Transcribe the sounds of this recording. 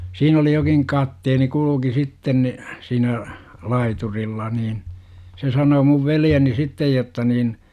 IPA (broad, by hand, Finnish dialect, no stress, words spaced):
siːn oli jokiŋ kɑtːeːni kuluki sitːen ni siːnæ lɑiturilːɑ niːn se sɑnoː muʋ ʋeljeni sitːej jotːɑ niːn